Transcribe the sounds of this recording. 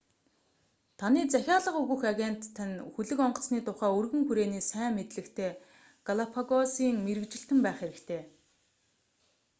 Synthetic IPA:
t̪ʰaniːt͡sæxʲaːɮə̆qɵɣɘ̆xaɣʲen̥t̪ʰːænxuɮɘ̆kɔɴɢɞ̆ɮt͡sniːt̪ʰʊχæːɵrɣɘ̆ŋxuɾeːniːsæːŋmet̪ɮɘ̆kt̪ʰeː | ɡaɮapʰaɣɔsiːŋmeɾɘ̆kt͡ɕɪ̆ɬt̪ɘ̆mpæːχeɾɘ̆kt̪ʰeː

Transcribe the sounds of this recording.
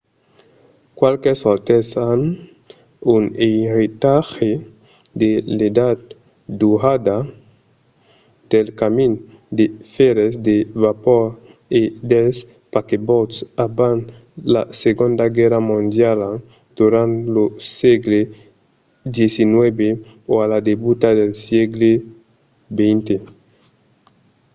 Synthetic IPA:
kwalkesoɾt̪esan | uneɾit̪axe | d̪eled̪ad̪̚ | d̪uad̪a | d̪̥elkamin | d̪efeɾesd̪eβapoɾ | ed̪els | pakebot̪saban | la̰seɡõnd̪aɡɛɾamõnd̪jal | d̪̥uɾãnt̪loseɡle | d̪jesinwebe | oalad̪ebut̪ad̪elsjeɡle | bejnt̪e

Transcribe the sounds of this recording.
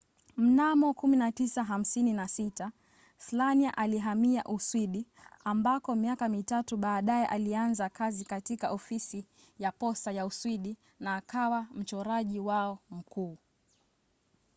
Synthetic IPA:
m̩namɔkuminatisaɦam̩sininasita | slaniaʔaliɦamia̰ʔuswiɗiambakɔmiakamitatuɓaːɗajɛʔalianzakazikatikaʔɔfisi | japɔsajauswiɗi | naːkawam̩t͡ʃɔɾaʄiwaɔm̩kuː

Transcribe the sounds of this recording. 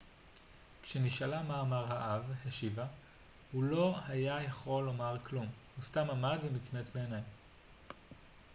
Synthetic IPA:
kʃeniʃalamaːmaʁɦaʔavheʃiva | hulo̞hajajaχo̞lːo̞maʁklumhustamamadvemit͡smet͡sbeːnaj

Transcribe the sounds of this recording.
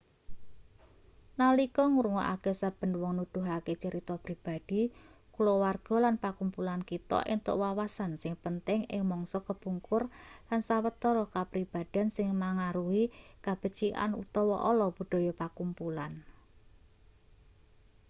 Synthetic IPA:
nalikɔŋuɾŋɔ̰ʔa̰kɛsab̥ə̤nwɔŋnud̪̥ṳɦaket͡ʃəɾit̪ɔpɾib̥a̤d̥i̤kulɔwarɡ̥ɔ̤lanpakumpulankit̪ɔ̰ʔḭnt̪ʊ̰ʔwawasansɪŋpənt̪ɪŋɪ̰ŋmɔŋsɔkəb̥uŋkʊrlansawət̪ːɔɾɔkapɾib̥a̤d̪̥a̤nsɪŋmaŋaɾuhikab̥ə̤t͡ʃiʔa̰nṵt̪ɔwɔ̰ʔɔlɔb̥ṳɖ̥ɔ̤jɔpakumpulan

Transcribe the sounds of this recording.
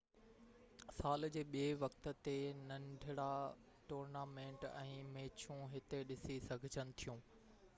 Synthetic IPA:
saːld͡ʑeːɓieʋɐkt̪ə̆t̪enɐ̃ɳɖʱɪɽa | ʈoːɾnaːmẽːɳʈɛ̃ːmeːt͡ɕʰũɦɪt̪eɗɪsisɐɡʱɪd͡ʑənɪ̆t̪ʰijũː

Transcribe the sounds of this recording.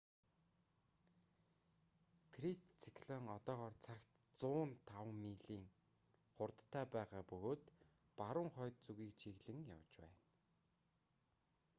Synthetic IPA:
t̪ʰrit̪t͡sʰikʰɮɔŋɔt̪ɔːʁɔːrt͡sʰakt̪ | t͡sʊːnt̪ʰawmiːɮiːŋ | χʊrt̪ːʰaːpæːʁaːpɵɣoːt̪ | paɾʊːŋχœːt̪̚t͡suɣiːk̚t͡ɕʰiɣɮɘ̆ŋja̰wt͡ɕpæ̰ːn

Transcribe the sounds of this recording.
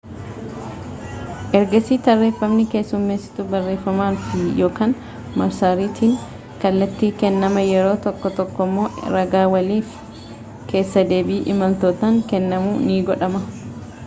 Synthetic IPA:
ʔɛɾɡɐsiːt̪ɐrːeːfːɐmnɪke̞ːsːʊmːe̞ːsːɪ̥t̪ʊbɐrːe̞ːfːɐmaːnfɪjo̞ːkaːn | mɐɾsaːɾiːt̪ʰiːŋ | kɐlːɐt̪ːiːkɛnːɐmɐjɛɾo̞ːt̪ɔkːɔt̪ɔkːɔmːo̞ːɾɐɡaːwɐliːf | ke̞ːsːɐd̪e̞ːbiːʔɪmɐlt̪oːt̪aːŋkɛnːɐmuːniːɡɔᶑɐmɐ

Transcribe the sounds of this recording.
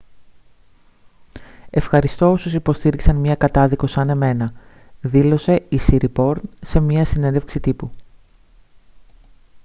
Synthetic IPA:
e̞fxɐɾist̪o̞osusipost̪iɾiksɐnmɲɐkɐt̪ɐðiko̞sɐne̞me̞nɐ | ðilo̞se̞isiɾipo̞ɾnse̞mɲɐsinenðe̞fksit̪ipu

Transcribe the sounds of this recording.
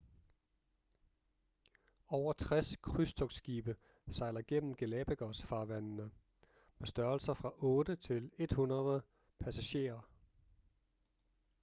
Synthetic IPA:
ɒʊ̰ɐt͡sʰʁaskʰʁysd̥ʰɔ̽ɡ̥sɡ̥iːb̥ə | sɑ̈ɪlɐɡ̥en̰m̩ɡ̥e̝lɛːb̥eɡ̥ɒsfɑ̈ːʋænnə | mesd̥ɶɐlsɐfʁɑ̈ʔɔ̽ːd̥ət͡sʰe̝le̝d̥hunɐð̩ˠ | pʰæsæɕe̝̰ːɐ

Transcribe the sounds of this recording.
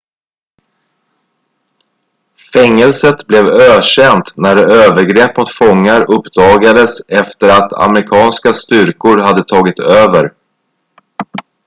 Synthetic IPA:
fɛŋːɛlsət̪blɛvøːʂɛnt̪næɾɛøːvəɾɡɾɛpːmʊt̪fɔŋːaɾɵpːd̪̥ɑːɡad̪əsɛft̪əɾat̪ʰa̰mɾɪkʰɑːnskast̪ʏɾkʊɾɦad̪ːət̪ʰɑːɡɪt̪øːvəɾ

